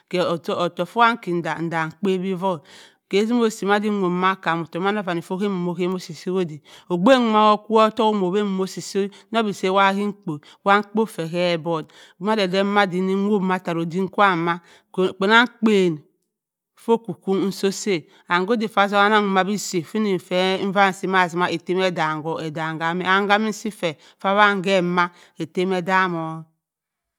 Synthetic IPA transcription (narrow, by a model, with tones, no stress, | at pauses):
ke˨tːto˨fo˦wa˦ŋ̩˦ki˨n˨da˨n̩˨da˨ŋ̩˨k͡pe˦bi˦vo˦ | ke˨˦zi˦m˦o˦˨si˨ma˦di˦o˨ma˦ka˨mo˨to˨ma˦no˦va˨ni˨fo˦ke˦m˨mo˨ke˦mo˦si˨si˦wo˦di˨o˨ɡ͡be˦ŋ˦ma˦wo˦ku˦ɔ˦to˦ko˦mo˨be˦m˦mo˦si˨so˦no˦bi˨se˦wa˦ki˦ŋ̩˦k͡po˨ | wa˦ŋ̩˦k͡po˦fe˨ke˦bo˨d | ma˦de˨de˦ma˦di˨ni˦o˦˨ma˦˨ta˨ɾo˨di˦ŋ̩˦kʷa˦˨ma˦˨ | k͡pe˨na˦ŋ̩˦k͡pe˨n˨ | fo˦ku˨ku˦n˦n̩˦so˦se˦ | a˨ŋɡo˦di˨fa˦s̬o˦a˦na˦ŋu˨ma˨bi˦si˨fi˦ni˨fe˦ɱ̩˦va˦n˨si˦ma˦˨s̬i˨ma˦e˨te˦me˦da˨ŋ˨ɡo˨e˨da˨ŋ˨ɡa˨mi˦a˨˦ŋɡa˦mi˦n̩˦si˦fe˨ | fa˦βa˦˨ŋ˦ɡe˦˨ma˦ | e˨te˦me˦da˦mo˨˦